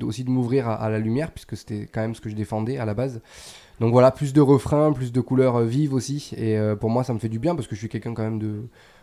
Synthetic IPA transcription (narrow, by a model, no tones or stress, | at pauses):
d̪o̰sid̪əmuvʁiʁaʔa̰lalymjɛʁpɥiskəse̥t̪ɛkɑ̃mɛmsə̥kəʒəd̪efɑ̃d̪ɛalabaz | d̪ɔ̃kvwalaplys̬d̪əʁəfχɛ̃plys̬d̪əkulœʁvivosieøpuʁmwasaməfɛd̪ybjɛ̃paʁsə̥kəʒəʃɥikʲɛlkʲɛ̃kɑ̃mɛmd̪ə